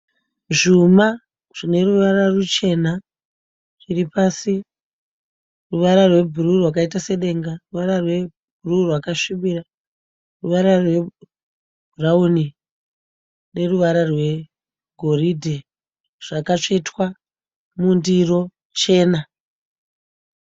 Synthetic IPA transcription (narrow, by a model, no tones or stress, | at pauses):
ʐuma | ʐ̥ine̞ruʋararut͡ʃe̞na | riripasi | ruʋaɾarwe̞bʱururwakaitase̞ɗe̞ŋɡaruʋaɾarwe̞ | bʱururwakaʂiɓira | ruʋaɾarwe̞ | bʱurauni | ne̞ruʋaɾarwe̞ | ɡʱo̞ridʱe | ʐ̥akat͡ʂetwa | mundiro̞ | t͡ʃe̞ːna